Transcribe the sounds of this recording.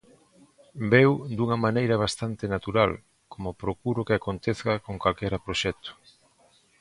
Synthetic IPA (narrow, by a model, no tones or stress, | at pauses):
bewd̪uŋɐmanejɾɐβ̞ast̪ant̪enat̪uɾal | komopɾokuɾʊkɪakont̪eθkakoŋkalkɛɾapɾoʃɛt̪o̥